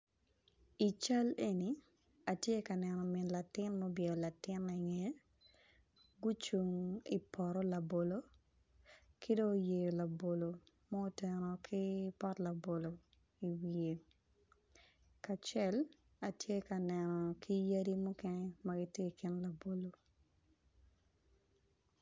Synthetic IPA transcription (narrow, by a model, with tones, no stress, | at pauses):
i˨t͡ʃa˦le˦ni˨ | a˨tje˦ka˨nɛ˨nɔ˨mɪ˨nla˨tɪ˦nmɔ˦bje˨la˨tɪ˦na˨ŋe˨˦ | ɡu˦t͡ʃu˨ŋi˨pʰɔ˨ɾɔ˦la˨bo˨lo˦ | kʰi˦do˦je˨jo˨la˨bo˨lo˨ | mɔ˦o˦tɛ˨nɔ˨kʰi˦pɔ˦tla˨bo˨lo˨ | i˨wie˨ | ka˨t͡ʃɛ˦l | a˨tje˦ka˨nɛ˨nɔ˨kʰi˦ja˦ɾi˦mu˦kɛ˦nɛ˦maɡi˦tje˦kɪ˦nla˨bo˨lo˨